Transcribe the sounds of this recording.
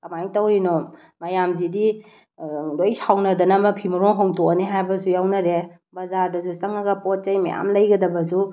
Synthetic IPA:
kɐmajtɐwɾinɔ | mɐjamzidi | lojsʰawnɐdɐnɐmɐpʰimuɾɔŋɦoŋtoneɦajbɐsujawnɐɾe | bɐzaɾdɐsusɐŋɐɡɐpot̚t͡ʃɐjma̰ja̰mlɐjɡɐdɐbɐsu

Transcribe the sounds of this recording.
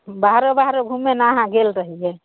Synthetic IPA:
baɦɾobaɦɾoɡʱumːenaːɦãɡelɾəɦijɛ

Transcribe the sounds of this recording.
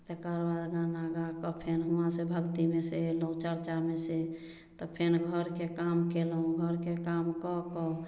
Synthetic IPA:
t̪ekəɾbad̪ɡanaɡakɔpʰenɦuãsebʱəɡt̪imeseelɦũt͡ʃəɾt͡ʃamese | t̪ɔpʰenɡʱəɾkekamkelũɡʱəɾkekamkɔkɔ

